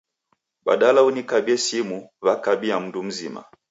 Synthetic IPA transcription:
ɓa̰ɗalaunikaɓiɛsimuvakaɓiam̩ndum̩zima̰

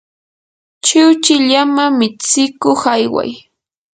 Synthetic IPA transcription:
t͡ʃɪwt͡ʃɪʎamamɪt͡sɪkoχajwa̰j

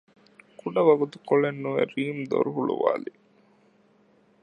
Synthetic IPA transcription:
kuɖɐʋɐɡut̪u̥koɭenːuʋeɾiːmd̪o̰ɾuɦuɭṵʋa̰ːli

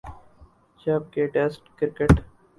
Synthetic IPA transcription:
t͡ʃaːb̚keʈeːsʈkɪɾkeʈ

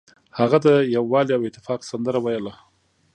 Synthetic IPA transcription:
haɣad̪əjawːɑliawɪt̪ːɪ̥fɑqsand̪əɾawajəla

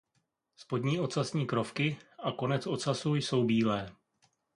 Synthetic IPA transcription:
spo̞dɲiːʔo̞sasɲiːkɾo̞fkɪʔako̞nɛt͡sʔo̞tsasujso̞wbiːlɛː

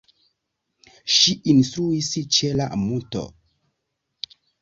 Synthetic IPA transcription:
ʃiʔinstɾuist͡ʃela̰muto̰

